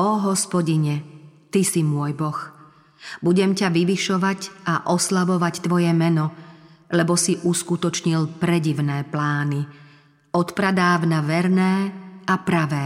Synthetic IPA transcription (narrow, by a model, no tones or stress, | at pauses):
ɔɦɔspɔɟiɲɛt̪isimʊɔjbɔx | buɟɛmcaʋiʋiʃɔʋaɟaʔɔslaʋɔʋact̪ʋɔjɛmɛnɔ | lɛbɔsiʔuskut̪ɔt͡ʃɲilpɾɛɟiʋnɛːplaːni | ɔt̪pɾad̪aːvnaʋɛɾnɛːapɾaʋɛː